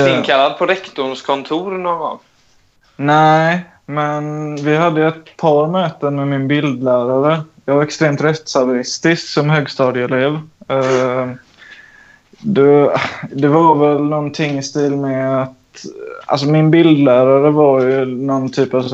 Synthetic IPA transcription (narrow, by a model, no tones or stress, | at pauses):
kʰalːad̪̚pʰɔɾɛkt̪ʊɳskʰɔnt̪ʰuːɾnoɡɔ̰ŋ | næɪ | mɛnvɪɦad̪ːəjɛt̪̚pʰɑːɾmøːt̪əmɛmɪnbɪld̪læːɾaɾəjɑːɡvaɾɛkst̪ɾeːmt̪ɾɛt̪ːsavəɾɪst̪ɪsksɔmɦøːɡst̪ɑːd̪ɪɛleːv | d̪ɛd̪ɛvaɾvɛlnɔnt̪ʰɪŋːɪst̪iːlmɛat̪a̰ls̬ɔmɪnbɪld̪læːɾaɾəvaɾjɵnɔnt̪ʰyːpa